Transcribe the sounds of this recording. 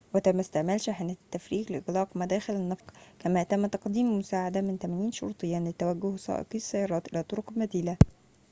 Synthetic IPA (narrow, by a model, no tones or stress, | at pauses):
wɪt̪amːast̪ɪʕmæːlʃaħɪnæːt̪ːæfɾiːqlɪʔɪɣlɑːqmæd̪æːxɪlɪnːɑfqkæmæːt̪æmːt̪ɑqd̪iːmmʊsaːʕad̪amɪnt̪æmæːniːnʃʊ̰ɾːt̪ˤɨjːaːnlɪt̪ːæwæɡːʊhwsˤɑ̰ːʔqisːajːɑːɾˤɑːt̪ʔɪlaːt̪ˤʊɾʊqlmæd̪iːla